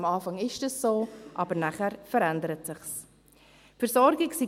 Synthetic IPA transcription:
mɑːfɑŋɪʃdəsoːʔɑbərnæχəɾfəɾɛndəɾətsɪχs | fərzɔrɡɪksiː

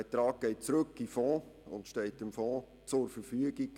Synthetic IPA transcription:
ɛtɾɑːk̚ɡ̥ɛɪt̚t͡sɾɵkːifɔ̃ː | ʊntʃtɛltɪmfɔ̃ː | t͡sʊɾfəɾfyəɡiɡ

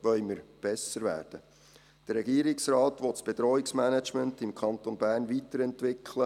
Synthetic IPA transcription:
ʋœʏməɾb̥ɛsəɾʋæ̰ːɾd̥ə | d̥ərɾːɛɡiːəɾɪksrɑːtʋɔtsb̥eɛd̪ɾɔːɪksmænæt͡ʃməntɪmkʰχɑnt̪onbæːɾnʋitəɾɛntʋɪkʰlə

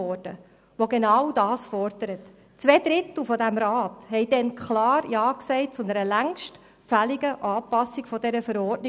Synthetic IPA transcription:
ɔd̥ə̰ | ʋoɡenɑwdɑːsfɔrd̥əɾət | t͡sʋɛːd̪ɾɪt̪l̩ˠfɔdæmɾɑːthɛjdɛnkʰχlɑːɾjɑːksɛɪt̚t͡sʊnəɾəlæŋʃt | fæliɡəʔɑːpɑsːɪɡ̥fɔdɛɾəfəɾɔːɾtnɪ

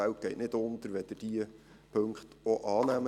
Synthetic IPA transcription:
æwt̚ɡ̥ɛɪtnɪd̪ʊnt̪əɾʋɛd̪̥ɪd̥iə | pʰɵŋkχt̪oʔɑːnæmə

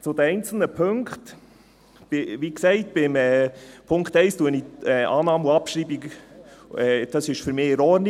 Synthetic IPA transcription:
t͡sʊd̥̪əɛɪnt͡sl̩nəpʰɵŋkt | b̥ɪʋiksɛɪtb̥ɪmɛːpʰʊŋkχt̪ɛɪstuəniɛʔɑːnɑːmuɑpʃɾiːbiɡ | ɛːd̥ɑsɪʃfyɾmɪːɛɾɔɾni

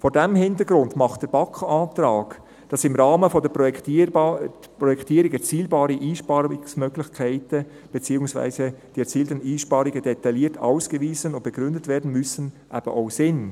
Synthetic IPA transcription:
fɔɾdɛmhɪntəɡɾʊndmɑχt̚d̥əɾb̥ɑkɑːtɾɑːɡ̥ | d̥ɑsɪmɾɑːməfɔdə | pɾɔjɛktiːɾɪkɛɾt͡siːlbɑːɾiʔiːʃpɑɪsmœɡlɪçkʰæɪtə | b̥ɛt͡siːʊŋsvæ̰ɪzəd̥iɛt͡siːltəniːʃpɑːɾɪɡəd̥ɛt̪ɑliːtʰɑ̰ʊsɡ̥əviːzənʊnt̚b̥ɛɡɾʏndətvɛːɾdn̩mʏsən | ʔæb̥ə̰ʔoʊsɪn

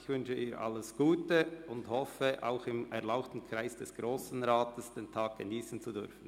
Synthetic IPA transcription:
çvʏnʃəʔiːɾʔa̰ləsɡ̥uːtəʊnthɔfəʔa̰ʊxɪmɛʁlaʊxtn̩kʰʁ̥aɪsd̥ɛsɡ̥ʁoːsn̩ʁaːtəsd̥eːntʰaːk̚ɡ̥əniːsn̩t͡sudʏɾfn̩

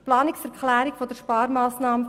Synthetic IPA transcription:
plɑːnɪksɛɾkχlæːɾikfod̥̪əʃpɑːɾmɑːsnɑːmə

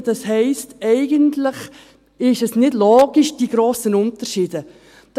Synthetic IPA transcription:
d̥ɑshɛɪstɛɪɡəntlɪχ | ɪʃɛsnɪdlɔːɡ̥iʃd̥iɡɾoːsənʊntəɾʃiːdə | d̥

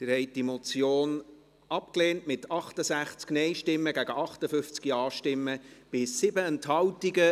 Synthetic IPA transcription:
t̪ɪɾhɛɪt̚d̥imot͡sjoːn | ɑpkleːntmɪtʰɑχtəsæχt͡sknɛɪʃtɪmːəɡæɡəʔɑχtəfʏft͡skiɑːʃtɪmːəb̥ɪsːɪbəɛnthɑwtiɡə

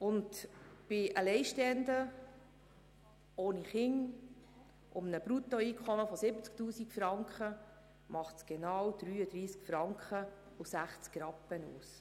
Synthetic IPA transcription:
ʊntb̥ɪʔəlɛɪʃtɛnd̪ə | oːniχɪŋ | ʔʊmnəbɾutɔiːkʰχɔməfɔsɪbət͡sk̚tuːsikfɾɑŋkχə | mɑχtsɡ̥ɛnɑːwd̪̥ɾyːəd̥̪ɾiːskfɾɑŋkχə | ʊsæχt͡skɾɑpːənṵːs

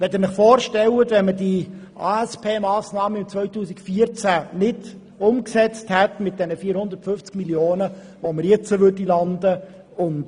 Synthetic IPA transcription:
ʋɛtənɪχfoːɾʃtɛlətʋɛnmədiʔaɛspʰeːmɑːsnɑːməɪmt͡sʋvœʏtuːsɪkfiːəɾt͡sænɪd | ʊmksɛt͡sthɛtmɪt̚d̥ɛnəfiːɾhʊnd̪əɾtfʏft͡skmiljoːnə | ʋoməɾjɛt͡səʋʏdilɑndə | ʊnt

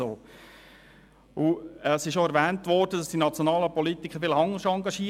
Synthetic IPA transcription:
oː | uɛsɪʃjoɛɾʋæːntʋɔɾrd̥ədɑsd̥inɑt͡sjɔnɑːləpɔlit̪ikʰχəfɪlɑŋːəʃɑŋɡɑʃiː

